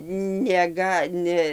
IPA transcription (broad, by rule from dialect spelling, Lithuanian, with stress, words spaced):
nʲɛˈɡɐ ˈnʲɛ